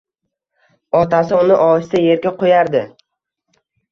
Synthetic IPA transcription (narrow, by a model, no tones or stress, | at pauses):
ɒt̪asɪʊnɪʔɒɪst̪aje̞ɾɡʲaqʰojaɾd̪ɪ